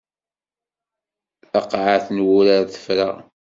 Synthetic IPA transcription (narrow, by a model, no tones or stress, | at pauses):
ɑqʕaθnwʊɾaɾθə̥fɾaʁ